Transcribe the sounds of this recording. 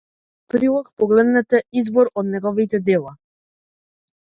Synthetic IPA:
pɾilˠɔkpɔɡlɛd̪nɛt̪ɛizbɔɾɔd̪nɛɡɔvit̪ɛd̪ɛlˠa

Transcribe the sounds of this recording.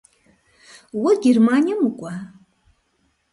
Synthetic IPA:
waɡʲermanijamɨkʷʼa

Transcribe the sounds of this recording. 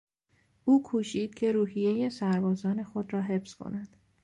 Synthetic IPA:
ʔuːkʰuːʃiːd̪̥̚cʰe̞ɾuːɦije̞jesæɾbɒːzɒːne̞xo̞d̪rɒːɦe̞fskʰo̞̰næd̪̥

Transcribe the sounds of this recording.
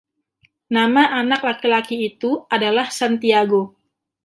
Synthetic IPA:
namaʔanak̚lakilakiːt̪uadalahsant̪iaɡo

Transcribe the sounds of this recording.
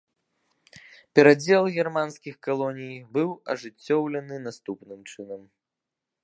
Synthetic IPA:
pʲɛɾad͡zʲɛlˠɣʲɛrmanskʲixkalˠɔnʲijbɨwɐ̰ʐɨt͡sʲːɔwlʲɛnɨnast̪upnɨmt͡ʂɨnɐm

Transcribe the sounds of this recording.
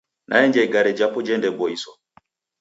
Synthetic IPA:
nʔa̰ɛɲd͡ʒaiɡaɾɛd͡ʒapɔd͡ʒɛndɛbɔisɔ

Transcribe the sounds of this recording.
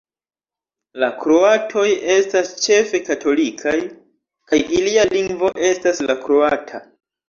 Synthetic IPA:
lakɾo̞atʰo̞je̞stast͡ʃe̞fe̞katʰo̞likʰaj | kajilialiŋɡvo̞ʔe̞staslakɾo̞atʰa

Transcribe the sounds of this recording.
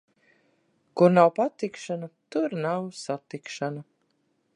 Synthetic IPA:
kuɾnawpat̪ikʃanat̪uɾnawsat̪ikʃana

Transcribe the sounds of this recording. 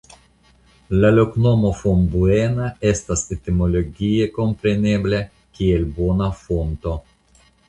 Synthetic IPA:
lalo̞kno̞mo̞fombuenae̞st̪aset̪imo̞lo̞ɡieko̞mpɾe̞ne̞ble | kʲielbo̞nafo̞nt̪o

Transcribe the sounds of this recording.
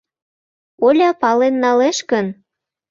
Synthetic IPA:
olʲɑpɑlenːɑleʃkən

